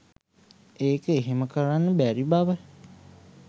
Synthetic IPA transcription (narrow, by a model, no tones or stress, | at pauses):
eːkəeɦeməkəɾanːəbæɾibaʋə